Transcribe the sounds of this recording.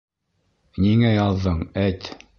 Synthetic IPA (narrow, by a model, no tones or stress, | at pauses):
niŋæjɑðːɤɴæt̪